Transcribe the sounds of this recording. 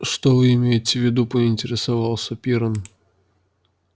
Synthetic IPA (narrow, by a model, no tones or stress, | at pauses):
ʂt̪ovɨɪmʲejɪtʲɪvʲɪd̪upəɪnʲtʲɪɾʲɪsavɑlˠsʲəpʲiɾən